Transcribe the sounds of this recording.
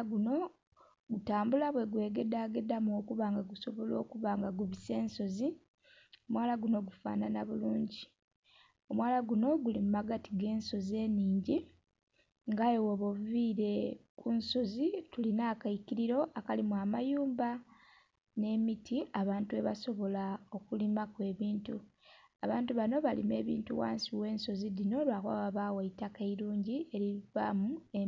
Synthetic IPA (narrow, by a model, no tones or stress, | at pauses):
ɡuno̞ | ɡutaːmbulaβwe̞ɡwe̞ːɡe̞daːɡe̞damo̞ːkuβaːŋɡaɡuso̞βo̞lo̞ːkuβaŋɡaɡuβise̞ːnso̞zi | o̞mwaːlaɡuno̞ɡufa̰ːnanaβuluːɲɟi | o̞mwaːlaɡuno̞ɡulimumaɡatiɡe̞ːnso̞ze̞ːniːɲɟi | ŋɡajowoβoviːɾe̞kunso̞zitulinaːkaiciɾiɾo̞ʔakalimuamajuːmba | ne̞mitʰiaβaːntue̞βa̰so̞βo̞lao̞kulimakwe̞ːβiːntuaβaːntuβano̞βalḭme̞ːβḭːntuwa̰ːnsiwe̞ːnso̞zidino̞lwakwa̰βaβaweitakeiluːɲɟie̞ɾiva̰mue